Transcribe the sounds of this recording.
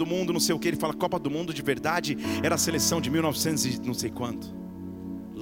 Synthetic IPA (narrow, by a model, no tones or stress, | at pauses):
d̪ʊmũnd̪ʊnɐ̃w̃sejʊkeelɪfalɐkɔpɐd̪ʊmũnd̪ʊd͡ʒɪveɾd̪ad͡ʒɪɛɾɐːselesɐ̃w̃d͡ʒɪmiwnɔvɪsẽnt̪ʊzɪnɐ̃w̃sejkwɐ̃nt̪ʊ̥ | l